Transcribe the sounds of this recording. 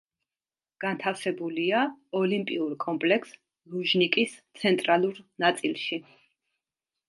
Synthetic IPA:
ɡ̥ant̪ʰafsɛbuliaɔlimpʼiuɾkʼɔmpʼlɛkʰs | lˠuʒnikʼist̪sʰɛnt̪ʼɾalˠuɾnat̪sʼilˠʃi

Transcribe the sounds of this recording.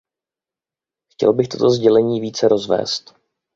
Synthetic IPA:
xcɛ̰lbɪxt̪o̞̰t̪o̞zɟɛlɛɲiːviːt͡sɛɾo̞zvɛ̰ːst̪

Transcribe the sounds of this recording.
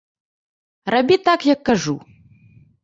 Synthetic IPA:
rabʲit̪akjɐkːaʐu

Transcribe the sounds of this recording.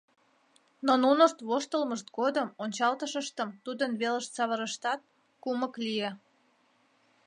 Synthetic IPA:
nonunəʃt̪βoʃt̪əlməʃt̪̚ɡod̪əmonʲt͡ɕɑlt̪əʃəʃt̪əmt̪ud̪ənβeləʃt̪t͡sɑβəɾəʃt̪ɑt̪̚ | kuməklije

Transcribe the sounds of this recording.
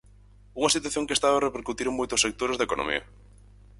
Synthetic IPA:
uŋɐsit̪̬waθjoŋkest̪aβerepeɾkut̪iɾemojt̪osek̚t̪oɾezðekonʔo̰mḭɐ̰

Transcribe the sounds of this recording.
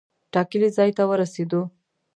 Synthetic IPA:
ʈɑkəlizɑjt̪awəɾased̪o

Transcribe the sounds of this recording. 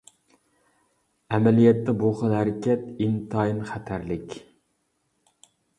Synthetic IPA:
ɛmɛlijɛt̪ːɛboχɑnɦæɾɪkʲɛt̪int̪ʰɑjinχæt̪ʰæɾlɪkʲ

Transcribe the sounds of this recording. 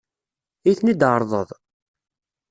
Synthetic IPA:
iθnid̪ʕəɾˤðˤə̰ðˤ

